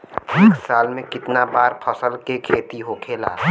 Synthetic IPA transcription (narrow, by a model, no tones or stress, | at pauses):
eːksaːlmẽkɪt̪nabaːɾpʰəsəlkekʰeːt̪iɦokʰeːla̰ː